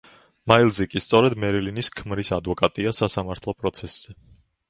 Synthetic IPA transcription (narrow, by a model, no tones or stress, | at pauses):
mailˠzɛkʼist̪sʼɔɾɛd̪mɛɾiliniskʰmɾisad̪vɔkʼat̪ʼiasasamaɾt̪ʰlˠɔpʼɾɔt̪sʰɛsz̥ɛ